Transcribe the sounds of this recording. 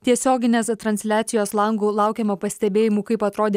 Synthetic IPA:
t̪ʲiɛsʲoːɡʲɪnʲeːst̪ɾɐnʲsʲlʲæːt̪sʲɪjoːslˠɐŋɡuːlˠɑʊkʲɛmoːpɐsʲt̪ʲɛbʲeːjɪmuːkɐɪpɐt̪ɾoːd̪ʲe

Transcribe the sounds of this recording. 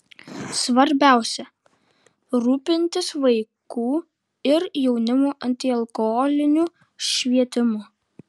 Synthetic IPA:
sʋɐɾʲbʲæˑʊsʲɛ | ɾuːpʲɪnʲt̪ʲɪsʋɐɪkuː | ɪɾjɛʊnʲɪmoːʔɐnʲt̪ʲɪɐlˠkɔɦɔlʲɪnʲuː | ʃʲʋʲiɛt̪ʲɪmʊ

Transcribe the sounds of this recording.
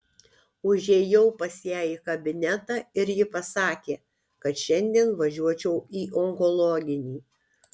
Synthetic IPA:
ʊʒʲeːjɛʊpɐsʲjæːiːkɐbʲɪnʲɛt̪ɑːɪɾjɪpɐsɑːkʲeː | kɐt̪ʃʲɛnʲd̪ʲiɛnʋɐʒʲuɔt͡ʃʲɛʊiːʔɔŋkɔlˠɔːɡʲɪnʲiː

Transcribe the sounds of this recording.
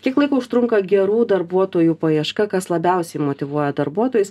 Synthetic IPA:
kʲiɛklˠɐɪkoʊʃt̪ɾʊŋkɐɡʲɛɾuːd̪ɐɾbuɔt̪oːjuːpɐjiɛʃkɐkɐslˠɐbʲɛˑʊsʲɛɪmot̪ʲɪʋuɔjɛd̪ɐɾbuɔt̪oːjʊs

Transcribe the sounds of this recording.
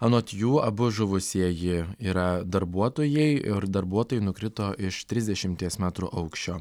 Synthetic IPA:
ɐnoːt̪ʲjuːɐbʊʒʊʋʊsʲiɛjɪiːɾɐd̪ɐɾbuɔt̪oːjɛɪɪɾd̪ɐɾbuɔt̪oːjɪnʊkɾʲɪt̪oːʔɪʃt̪ʲɾʲɪzd̪ʲɛʃʲɪmʲt̪ʲiɛsmʲæːt̪ɾṵʔɐʊkʃʲt͡ʃʲoː

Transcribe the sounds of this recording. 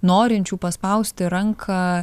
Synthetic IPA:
noːɾʲɪnʲt͡ʃʲuːpɐspɐʊsʲt̪ʲɪɾɐŋkʰɐ

